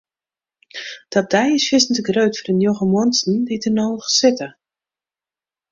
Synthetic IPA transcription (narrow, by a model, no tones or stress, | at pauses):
d̥ɔt̚d̥ɛjɪsfjɪsn̩təɡrøɥtfɔrənjoɣəmɔənsn̩ditənowχsɪtə